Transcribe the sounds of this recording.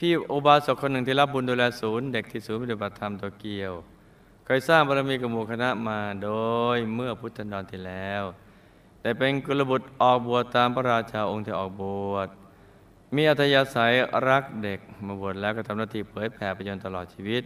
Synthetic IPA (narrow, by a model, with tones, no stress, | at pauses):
pʰiː˥˩ʔoː˧˩baː˧so˨˩kʰːo˧nːɯ˨˩ŋt̪ʰiː˥˩la˦˥p̚bu˧nduː˧lɛː˧suː˨˩˦nde˨˩k̚t̪ʰiː˧˩suː˨˦npt̪ba˨˩t̪ʰːa˧mt̪uː˧ki˧əw | kʰɔː˧˩jsaː˥˩ŋpʰaː˧ɾa˧miː˧ka˧˩mu˨˩kʰa˧na˦˥ʔmaː˧doː˧jmɯ˥˩ɐpʰu˦˥t̪̚t͡ɕʰa˧ndɔː˧nt̪ʰiː˥˩lɛː˦˥w | t̪ɛː˨˩pe˧nku˧la˧bu˨˩t̪̚ʔɔː˨˩k̚bu˨˩ət̪ːaː˧mpʰa˧ɾaː˧t͡ɕʰa˧ʔo˧ŋt̪ʰiː˧˩ʔɔ̰ː˨˩k̚bu˨˩ət̪̚ | miː˧ʔa˨˩t̪ʰːa˧jaː˧sa˩˦jɾa˦˥k̚de˨˩k̚maː˧˩bu˨˩ət̪̚lɛː˦˥kɔː˥˩t̪ʰa˧mnaː˧˥˩t̪ʰiː˧˩pʰɤː˩˦j̪̚pʰɛː˩˦pʰa˧jo˧nt̪a˧lɔː˨˩t̪̚t͡ɕʰiː˧wi˦˥t̪̚